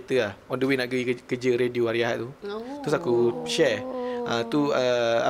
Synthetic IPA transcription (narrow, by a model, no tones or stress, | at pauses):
t̪əlahɔndəwinaʔikəd͡ʒəɾedioaɾiaɦa̰ʔt̪ut̪ɾusakuʃɛʔət̪uəa̰